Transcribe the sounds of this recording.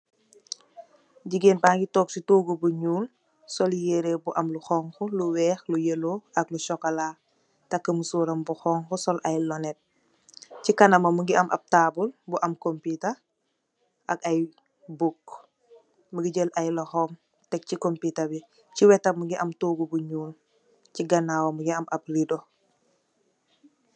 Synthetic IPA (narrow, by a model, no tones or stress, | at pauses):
ɟiɡeːnbaːŋɡitɔːk̚sitoːɡubuɲuːl | sɔljeɾebuʔɐmluxɔːŋxɔluwɛːxlujəloʔɐkluʃɔkɐlaː | tɐkːɐmusuːɾɐmbuxɔːŋxɔsɔlʔɐjlɔnɛt̚ | cikɐnɐmɐmuŋɡiɐmʔɐ̰b̚taːbulbuʔɐmkompitɐ | ʔɐ̰kɐj | buk | muɡiɟəlʔɐjlɔxɔm | tɛk̚cikompitɐbi | ciwɛtɐmuɡiʔɐmtoːɡubuɲuːl | ciɡɐnaːwɐmuɡiɐmʔɐp̚rido